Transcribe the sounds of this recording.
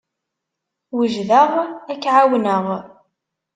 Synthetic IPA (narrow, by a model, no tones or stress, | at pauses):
wəʒðəʁækːʕawnəʁ